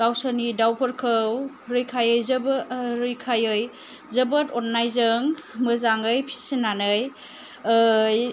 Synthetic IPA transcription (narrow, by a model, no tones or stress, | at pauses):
ɡ̥awsanidawpʰəɾkʰɯw | ɾɯjkʰajɯjzəbɾɯjkʰajɯj | zəbətot̚najzɯŋmɯzaŋɯjpʰi̥sinanɯj | j